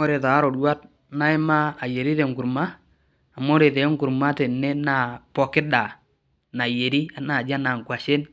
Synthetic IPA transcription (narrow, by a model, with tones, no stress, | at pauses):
o˦ɾe˨ta˨˦ɾo˨dwa˦t̚ | na˦ɪ˦ma˦a˨je˨ɾi˦te˨ŋkʊ˨ɾmaː˦˨ | mo˦ɾe˨te˨˦ŋkʊ˨ɾma˦te˨ne˦na˨pɔ˨kɪ˦da˨ | na˨je˨ɾi˦a˨na˨d͡ʒa˦na˨ŋkwa˨ʃe˦n